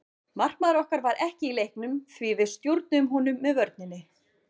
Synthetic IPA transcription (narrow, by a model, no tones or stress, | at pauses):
mar̥kmaðɾɔhkaɾvaɾʔɛhcɪilejhknʏmθvivɪðst̪joɾt̪̚nʏʏmɦunʏmːɛðvœɾt̪̚nɪnːɪ